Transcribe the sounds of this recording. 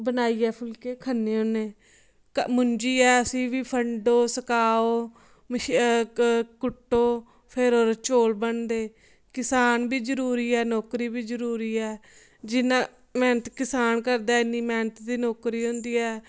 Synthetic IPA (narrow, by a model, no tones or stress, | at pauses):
bənaːiːɛːpʰʊlkeːkʰənːeːɦʊneː | kmʊɲd͡ʒiːɛːəsĩːʋiːpʰəɳɖoːsəkaːoː | mʃ | kʊʈːoː | pʰɪɾoːɾt͡ʃoːlbəɳd̪eː | kɪsaːnbiːzəɾuːɾiːɛːnoːkɾiːbiːzəɾuːɾiːɛː | d͡ʒɪnãː | mɛ̃ːnət̪kɪsaːnkəɾd̪aːɪnːiːmɛːnət̪d̪iːnoːkɾiːɦʊ̃nd̪iːɛː